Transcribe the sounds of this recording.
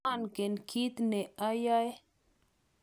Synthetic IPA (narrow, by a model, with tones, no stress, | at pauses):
a˦˨nke˨nkʰi˦t̪ne˨a˦ja˦j